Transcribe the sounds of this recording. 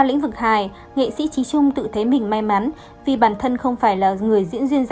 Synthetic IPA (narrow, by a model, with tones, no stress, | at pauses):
a˧lḭ̈˧˥ŋ̟vɨ˨˩k̚haː˨˩j | ŋḛ˧˨sḭ˧˥t͡ɕi˨˦t͡ɕʊ˧ŋ͡mt̪ɨ̰˧˨t̪ʰe˨˦mï˨˩ŋ̟ma˧jma˨˦n | vi˨˩ɓaː˧˩nt̪ʰə˧nxə˧wŋ͡mfaː˧˩jlaː˨˩ŋɨ˨˩əjzḭ˧˥ənzwi˧ənz